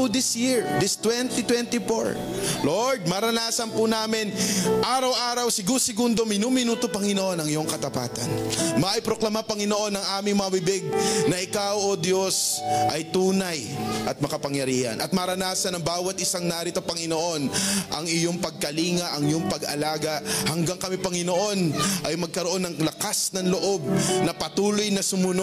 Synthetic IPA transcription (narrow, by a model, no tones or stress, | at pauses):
ud̪ɪsjɪɹd̪ɪst̪wɛnt̪it̪wɛnt̪ifoɹ | loɹd̪̚mɐɾɐnaːsɐnpunaːmɪnʔaːɾɐwʔaːɾɐwsɪɡusɪɡund̪omɪnumɪnuːt̪opɐŋɪnoʔo̞nɐŋɪjo̞ŋkɐt̪ɐpa̰ːt̪ɐnmɐʔɪpɾo̞klɐmapɐŋɪno̞ʔo̞nɐŋʔaːmɪŋmɐŋɐbɪbɪɡ̚nɐʔɪkawʔod̪jo̞sʔɐjt̪uːnɐjʔɐt̪̚mɐkɐpɐŋjɐɾiːhɐ̰nʔɐt̪̚mɐɾɐnaːsɐnɐŋbaːwɐt̪̚ɪsaŋnaːɾɪt̪ɐpɐŋɪnoʔo̞nʔɐŋɪjo̞ŋpɐɡ̚kɐliːŋɐʔɐŋɪjoŋpɐɡʔɐ̰laːɡɐhɐŋɡaŋkɐmipɐŋɪno̞ʔo̞nʔɐjmɐɡ̚kɐɾo̞ʔo̞nːɐŋlɐkasnɐŋloʔo̞b̚nɐpɐt̪uːlojnɐsʊmʊno